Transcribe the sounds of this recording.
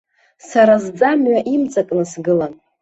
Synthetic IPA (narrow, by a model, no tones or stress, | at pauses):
saɾazd͡zamɥaʔimt͡sʼakʼnɨsɡɨlan